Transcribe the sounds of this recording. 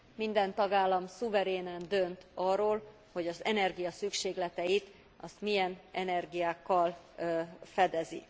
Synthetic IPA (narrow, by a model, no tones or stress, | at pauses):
mind̪ɛnt̪ɒɡaːlːɒmsuvɛɾeːnand̪ønt̪ɒrːoːl | ho̞ɟɒzɛnɛrɡijɒsykʃeːɡlɛt̪ɛjit̪ | ɒst̪mijɛnɛnɛrɡijaːkːɒl | fɛd̪ɛzḭ